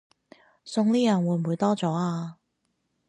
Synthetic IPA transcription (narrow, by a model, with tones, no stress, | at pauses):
sʊ˧ŋliː˥jɐ˨˩nwuː˨˧˥m̩˨wuː˨˧jt̪ɔː˥t͡sɔː˨˥aː˧